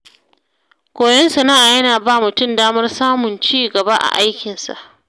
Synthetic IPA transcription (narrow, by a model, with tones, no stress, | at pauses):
kʷoː˨jɛ˦nsɐ˨naː˦ʔaː˨jɐ˦naː˨baː˦mʊ˨tʊ˦mdaː˦mɐ˦rsaː˦mʊ˨nt͡ʃiː˦ɡɐ˨ba˦ʔa̰˨ʔa˦jkʲɪ˨nsa̰˨ʔ